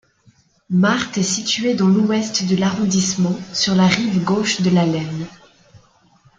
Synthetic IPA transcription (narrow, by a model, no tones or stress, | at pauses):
maʁt̪ɛsit̪ɥed̪ɑ̃luɛst̪d̪əlaʁɔ̃d̪ismɑ̃syʁlaʁivɡoʃd̪əlalɛn